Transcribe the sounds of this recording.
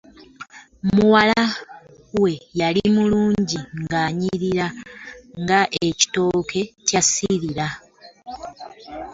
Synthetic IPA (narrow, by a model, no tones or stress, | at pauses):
muwala | we̞jalimuluːɲɟiŋɡaːɲiɾiɾa | ŋɡaʔe̞ci̥to̞kʰe̞casiɾiɾa